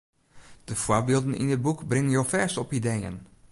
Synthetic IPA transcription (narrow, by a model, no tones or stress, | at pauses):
d̥əv̥ʊːɹbɪːlˠdənɪ̰nəd̚bukbrɪŋənjowfɛɹsɔpidejə̰n